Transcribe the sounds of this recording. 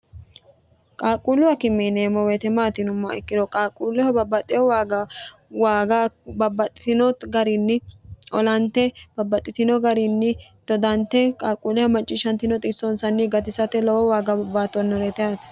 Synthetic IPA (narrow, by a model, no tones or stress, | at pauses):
kʼaːkʼulʊwɐkɪmːineːmɔwɛt̪ɛmaːt̪ɪnʊmːɐɪkːɪd̪ɔkʼaːkʼulʊhɐbɐbːɐt̪ʼːɪjɔwaːɡawaːɡabɐbːɐt̪ʼɪt̪ɪnɔt̪ɡɐɾinːɪɔ̰lɐnt̪ɛb̥ɐbːɐt̪ʼːɪt̪ɪnɔɡɐɾinːɪ | d̪̥ɔd̪ɐnt̪ːɛkʼaːkʼːulɪhɐmɐt͡ʃʼːɪʃɐnt̪ɪnɔt̪ʼɪsɔnsɐnːiɡɐt̪ɪsɐt̪ɛlɔwɔwaːɡɐbɐbaːt̪ːɔnːɔɾɛt̪ɛaːt̪ɐ̥